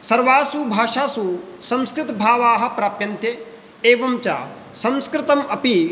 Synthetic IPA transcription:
sɐɾʋaːsubʱaːʃaːsusɐ̃mskɾɪt̪ɐbʱaːʋaːɦɐ̆pɾaːpjɐnt̪e | eːʋɐmt͡ʃa̰ː | sɐ̃mskɾɪt̪ɐmɐpi

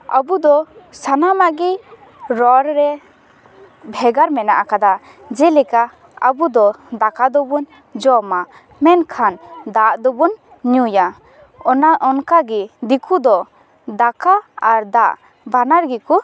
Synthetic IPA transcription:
a̰bud̪ɔsanamaʔɡi | ɾɔɾɾɛ | bʱɛɡaɾmɛnaʔakad̪a | d͡ʒɛlɛka | abud̪ɔd̪akad̪ɔbun | d͡ʒɔma | mɛnkʰand̪aʔd̪ɔbun | ɲuja | ɔnaʔɔnkaɡɛd̪ikʰud̪ɔ | d̪akaaɾd̪aʔ | banaɾɡiku

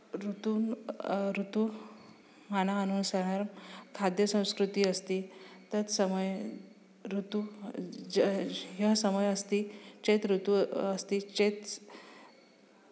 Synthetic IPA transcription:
ɾut̪uːnɾut̪u | m̤anaːnuːnsãɦəɾmkʰad̪jəsə̃w̃skɾut̪iːəst̪iːt̪ət̪səməj | ɾut̪u | ɦasəməjəst̪it͡ɕet̪ɾut̪uəst̪it͡ɕet̪

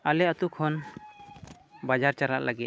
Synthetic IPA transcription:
alɛat̪ukʰɔn | bad͡ʒaɾt͡ʃaɾa̰ʔlʔaɡit̪̚

